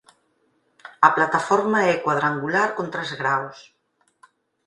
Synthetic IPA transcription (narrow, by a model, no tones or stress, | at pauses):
ɐplat̪afɔɾmaɛkwað̞ɾaŋɡulaɾkont̪ɾezɣɾaws